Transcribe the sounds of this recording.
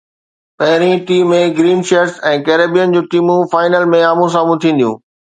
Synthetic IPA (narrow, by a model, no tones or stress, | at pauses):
pɐɦɪɾĩʈiːmːẽɡɾiːnʃeəɾsɛ̃ːkeːɾeːbijənd͡ʑũːʈiːmũfaːɪnəlmẽaːmũs̬aːmũt̪ʰĩːn̆d̪ijṵ̃ː